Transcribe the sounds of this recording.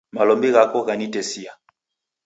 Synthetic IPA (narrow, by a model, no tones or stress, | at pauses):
malɔmbiɣakɔɣanitɛsia